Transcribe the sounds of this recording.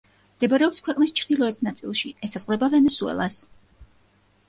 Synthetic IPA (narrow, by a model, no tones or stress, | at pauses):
md̪̥ɛbɔɾɛɔbiskʰwɛqʼnist͡ʃʰɾd̪ilˠɔɛt̪ʰnat̪sʼḭlˠʃiɛsazʼχʼvɾɛbavɛnɛsuɛ̰lˠas